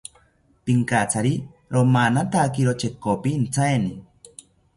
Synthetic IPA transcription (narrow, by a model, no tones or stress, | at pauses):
piŋkat͡sʰaɾiɾomanat̪akiɾot͡ʃekopiːnt͡sʰaeni